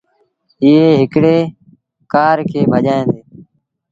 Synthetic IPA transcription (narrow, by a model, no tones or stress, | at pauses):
ɪɦeːɦɪkɽeː | kaːɾkʰeːbʱəʄaːẽːnd̪eː